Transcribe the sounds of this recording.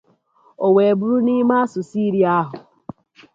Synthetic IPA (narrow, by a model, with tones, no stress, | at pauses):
o˨we˨bu˦ɾu˦ni˦ma˦sʊ˨si˦ɾi˨a˦a˦ɦʊ˨